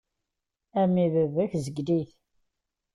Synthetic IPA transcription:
æmivəvəçzəɡd̪iθ

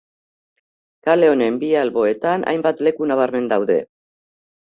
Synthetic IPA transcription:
kale̞o̞ne̞mbialβo̞e̞t̪anʔa̰jmbat̪le̞kunaβ̞aɾme̞nd̪awðe̞̰

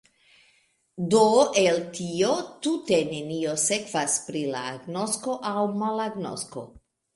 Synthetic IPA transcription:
doeltio̞tute̞ne̞nio̞se̞kv̥aspɾila̰ːɡno̞sko̞ʔawmalaɡno̰sko̞̰

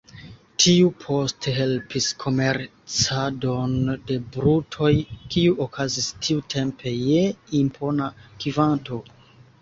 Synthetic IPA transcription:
tʰiupʰo̞stʰeɦe̞lpiskʰo̞me̞ɾ | t͡sado̞nde̞bɾutʰo̞jkiuʔokʰazistʰiutʰe̞mpʰe̞jeimpʰo̞nakivanto̞

